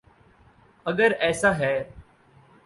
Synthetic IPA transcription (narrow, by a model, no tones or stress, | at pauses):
əɠəɾɛːsaːɦɛː